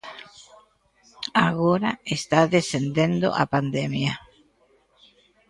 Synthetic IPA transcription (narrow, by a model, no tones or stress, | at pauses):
aɣoɾaest̪aðesend̪end̪o̰ʔa̰pand̪ɛmjɐ